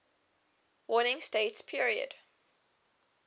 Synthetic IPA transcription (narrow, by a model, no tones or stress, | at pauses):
wɔnɪ̃ŋsteɪtspʰiɹiə̰d̥